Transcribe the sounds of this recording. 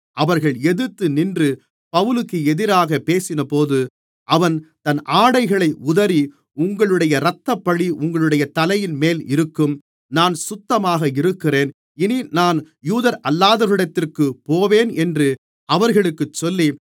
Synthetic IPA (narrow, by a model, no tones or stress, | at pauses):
ɐʋɐɾɣɐɭɛðɯt̪ːɯnɪndrɯ | pɐʋɯlɯkːɯɛðɪɾaːɣɐpeːsɪnɐpoːðɯ | ʔɐʋɐnt̪ɐnʔaːɽɐɪɣɐɭɐɪʊðɐɾi | ʊŋɡɐɭɯɽɐjɐɾɐt̪ːɐpːɐɽiʔʊŋɡɐɭɯɽɐjɐt̪ɐlɐjɪnmeːlɪɾɯkːɯm | naːnsʊt̪ːɐmaːɣɐɪɾɯkːɪreːn | ɪninaːn | juːðɐɾɐlːaːðɐɾɯɽɐt̪ːɪrkɯpːoːʋeːnɛndrɯ | ɐʋɐɾɣɐɭɯkːɯt͡ʃːɔlːi